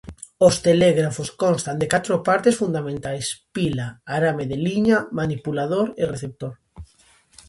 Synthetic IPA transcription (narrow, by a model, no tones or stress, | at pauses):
ost̪eleɣɾafoskonst̪and̪ekat̪ɾopaɾt̪esfund̪amẽnt̪ajspilaːɾameðeliɲamanipulaðoɾereθep̚t̪oɾ